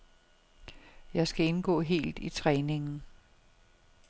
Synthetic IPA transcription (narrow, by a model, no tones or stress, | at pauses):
jɑ̈ɪsɡ̥æe̝nɡ̥ɔ̰̽ːɦe̝̰ːld̥it͡sʰʁɛːne̝ŋn̩